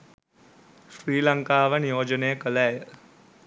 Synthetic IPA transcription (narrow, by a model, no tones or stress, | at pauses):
ʃɾiːlɐŋkaːʋɐnjoːd͡ʒəneːkəlaːj